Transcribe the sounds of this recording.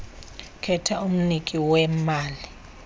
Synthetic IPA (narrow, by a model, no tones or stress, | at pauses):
kʰɛtʰaum̩nikʼiwɛmaːli